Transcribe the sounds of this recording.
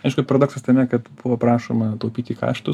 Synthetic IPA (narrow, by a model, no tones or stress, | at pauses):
ɐɪʃɡ̥ʊpɐɾɐd̪oːksɐst̪ɐmʲɛkɐt̪b̥ʊʋoːpɾɑːʃoːmɐt̪ɐʊpʲiːt̪ʲiːkɑ̰ːʃt̪ʊ